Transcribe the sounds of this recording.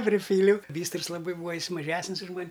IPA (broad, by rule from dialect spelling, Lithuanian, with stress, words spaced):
pʲrʲɪˈpʲiːlʲɛʊ ˈbʲiːstrɨs lˠɐˈbɐɪ ˈbuːɐ ˈjɪs mɐˈʒʲæːsʲnʲɪs ʊʃ ˈmɐnʲ